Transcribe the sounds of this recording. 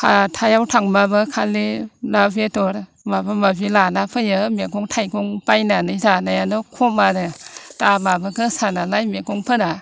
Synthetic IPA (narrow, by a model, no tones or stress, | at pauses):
kʰatʰajawtʰaŋmabɯkʰalːinabetɔɾ | mabɯmabilanapʰɯjɯmeɡɔŋtʰajɡɔŋpajnanɯjzanajanɔkʰɔmaɾɯtababɯɡɯsanalajmekɔŋpʰɯna